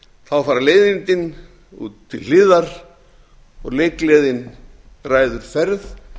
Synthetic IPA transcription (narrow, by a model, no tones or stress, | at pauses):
θawfaːɾaleːjðɪnt̪ɪn | ṵːt̪ʰːɪllɪːðaɾ̥ | ɔ̰ɣleːjkleːðɪn | raːjðʏɾ̥fɛɾð